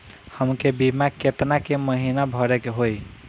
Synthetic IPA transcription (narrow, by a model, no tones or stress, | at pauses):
həmkebimaket̪nakeməɦinabʱəɾekɦoj